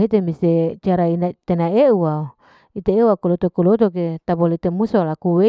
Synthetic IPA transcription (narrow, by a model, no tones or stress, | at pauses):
ɦet̪emiset͡ʃaɾainat̪enaeuwao | it̪eeuwakolot̪okolot̪ok̬et̪abolet̪emusolakuwe